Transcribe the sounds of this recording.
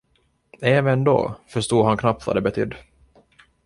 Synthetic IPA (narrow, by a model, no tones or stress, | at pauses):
eːvənd̪o̰ːfœʂt̪uːd̪ɦankʰnap̚t̪va̰d̪ɛbɛt̪ʰʏd̪ː